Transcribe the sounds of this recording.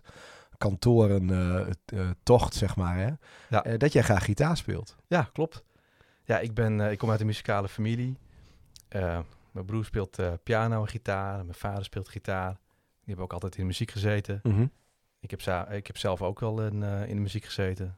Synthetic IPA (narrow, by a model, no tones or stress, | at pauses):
kɔntʰoːəɾən | tɔxtsɛxmaːrɛjadɔtjɛjχraːxːitaːspɪ̰ːlˠtjaklɔp̚t | jaʔɪɡ̚bɪnɪkːomaɥtdəmyzi̥kaːləfamilˠi | ʔə | mɛjbruːrspɪːlˠtəpjaːnowəχitʰaːrmɛnfaːdəɹspɪːlˠtχitʰaːr | dihɛbpoːkɑlˠtɛjtɪndəmyz̥ikχəzejtə | ɪkɛpɪkhɛpsɛlˠfowkʋɛlˠnɪ̰ndəmyzikχəz̥eːtə